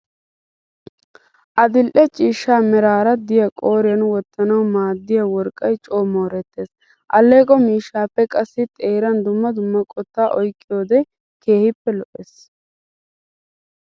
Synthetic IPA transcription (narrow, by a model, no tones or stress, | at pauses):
ʔɐd̪ɪlʔɛt͡ʃʼiːʃːaːmɛɾaːɾɐd̪ɪjɐkʼo̞ːɾɪjɐnwɔt̪ːɐnɐwmaːd̪ːɪjɐwɔɾkʼːɐjt͡ʃʼo̞ːmo̞ːɾɛt̪ːe̞ːs | ʔɐlːe̞ːkʼɔmiːʃːaːpːɛkʼɐsːɪt̪ʼe̞ːɾɐnd̪ʊmːɐd̪ʊmːɐkʼɔt̪ːaːʔɔjkʼːɪjo̞ːd̪ɛ | ke̞ːhɪpːɛlɔʔeːs